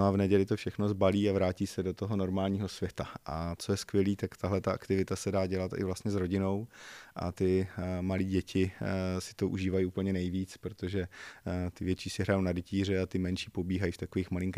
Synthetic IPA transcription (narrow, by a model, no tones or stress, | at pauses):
noavnɛɟɛlɪt̪ofʃɛxno̞zbaliːavɾaːciːsɛdot̪o̞ɦo̞no̞ɾmaːlɲiːɦo̞svjɛt̪aʔat͡sojɛskvjɛliːt̪akt̪aɦlɛt̪aʔa̰kt̪ɪvɪt̪asɛdaːɟɛlat̪ɪ̰vlast̪ɲɛzɾo̞ɟɪno̞wʔa̰t̪ɪmaliːɟɛcʰɪsɪ̥t̪oʔṵʒiːvajiupl̩ɲɛnɛjviːt͡spɾot̪oʒɛt̪ɪvjɛt͡ʃiːsɪɦɾajownadɛciːr̝ɛat̪ɪmɛnʃiːpo̞biːɦajiːft̪akoviːxmalɪŋk